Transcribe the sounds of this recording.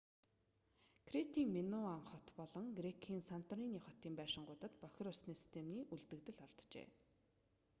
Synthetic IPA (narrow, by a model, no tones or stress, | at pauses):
kʰret̪iːŋmenʊamχɔt̪pɔɮɞ̆ŋɡrekʰiːnsan̥t̪riːniːχɔt̪iːmpæːʃɪ̆ŋɢʊt̪ə̆t̪pœx̆ʲrʊsniːsi̥st̪ʰemniːʔuɮt̪ɘ̆kt̪ɘ̆ɮɔɮt̪t͡ɕḛː